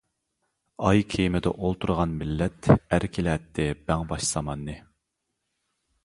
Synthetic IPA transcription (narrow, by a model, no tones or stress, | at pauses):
ɑjkʲʰejmɪd̪ɛ̰ʔolˠt̪ʰuɾʁɑnmɪlːɛt̪æɾkʲʰilɛt̪ʰːɪb̥ɛŋbɑʃz̥ɑmɑnːɨ